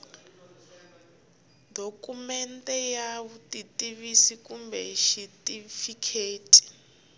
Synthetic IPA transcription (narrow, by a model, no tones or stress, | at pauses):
dokumɛntʼɛjaβutʼitʼiβisikumbɛ̰ʃitʼifikʰeːtʼi̥